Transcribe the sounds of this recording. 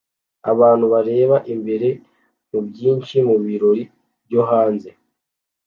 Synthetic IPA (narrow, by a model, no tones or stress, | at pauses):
a̰βaːn̥huβaɾe̞ːβaʔimbe̞ɾe̞ | mubjiːnʃimuβiɾo̞ɾi | bjo̞ɦaːnze̞